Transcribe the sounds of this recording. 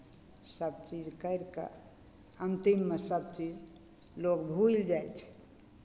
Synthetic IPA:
səb̚t͡ʃid͡ʒkəɪɾkə̰ | ənt̪imːesəb̚t͡ʃid͡ʒ | lokbʱuild͡ʒajt͡ʃʰɛ̥

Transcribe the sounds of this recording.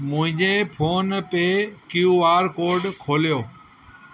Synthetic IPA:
mʊ̃ɦɪ̃ɲd͡ʑeːpʰoːnpeːkjuːʋaːɾkoːɾɖkʰoːljoː

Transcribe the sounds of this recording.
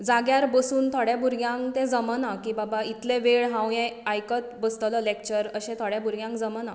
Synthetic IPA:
d͡zaɡjaɾbəsuːnt̪ʰoɽjabuɾɡjãŋkt̪ẽd͡zəmənakibabait̪lẽʋeɭɦãwjɛ̃ajkət̪̚bəst̪lɔlek̚t͡ɕəɾəɕɛ̃t̪ʰoɽjãbuɾɡjãŋkd͡zəməna

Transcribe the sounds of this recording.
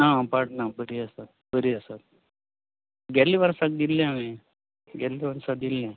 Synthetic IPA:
napaʈnabəɾiəsat̪̚ | bəɾiəsat̪̚ | ɡɛliʋəɾsat̪̚d̪ilːjãmẽ | ɡɛlːiʋəɾsat̪̚d̪ilːjã

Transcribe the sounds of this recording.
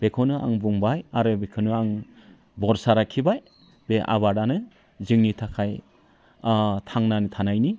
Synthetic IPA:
b̥ekʰɔnɯa̰ŋbuŋbajaɾɯbekʰɯnɯaŋ | bɔɾsaɾakʰibaj | b̥eʔa̰βaɾanɯ | zɯŋnitʰakʰaj | tʰaŋnanɯtʰanajni

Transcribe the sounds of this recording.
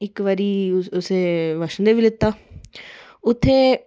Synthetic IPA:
ɪkʋaːɾiːʊseːʋəʃənd̪eːʋilɪt̪ːaː | ʊt̪ʰːeː

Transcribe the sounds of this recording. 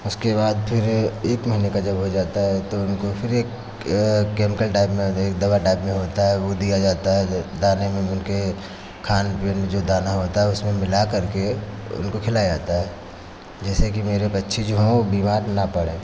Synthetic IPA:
ʊskebaːd̪pʰɪɾeːkmɐɦinekad͡ʒɐbɦod͡ʒaːt̪aɦɛt̪oʊnkopʰɪɾeːk | keːmɪkəlʈaːɪpmẽeːk̚d̪ɐbaʈaːɪpmẽɦoːt̪aɦɛʋod̪ijad͡ʒaːt̪aɦɛd̪aːnemẽʊnke | kʰaːnpend͡ʒod̪aːnaɦoːt̪aɦɛʊsmẽmɪlakɐɾkeʊ̰nkokʰɪlad͡ʒaːt̪aɦɛː | d͡ʒɛːsek̬imeːɾepɐtːʃʰid͡ʒoɦɛ̃obiːmaːɾnapɐɽẽː

